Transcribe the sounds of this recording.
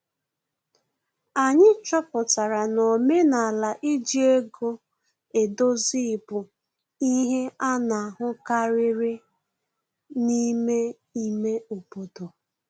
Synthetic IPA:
a˨ɲɪ˦t͡ʃɔ˦pʊ˨ta˨ɾa˨no˨me˦na˨la˨ʔi˦d͡ʒi˦e˦ɡo˦ | e˨do˦zi˦ɪ˨pʊ˨ | i˦ɦe˦a˦na˨a˨ɦʊ˦ka˦ɾɪ˦ɾɪ˦ | ni˦me˦ | i˦me˦o˨po˨to˨

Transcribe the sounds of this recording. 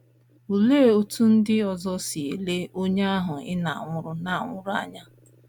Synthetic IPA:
u˨le˦˨o˦tʰu˦n̩˦dɪ˦ɔ˨zɔ˦si˨e˨le˦o˦ɲe˦a˦ɦʊ˨ɪ̰˦na˨a̰˨ŋʷʊ˦ɾʊ˦na˨a˨ŋʷʊ˦ɾʊ˦a̰˨ɲa˦

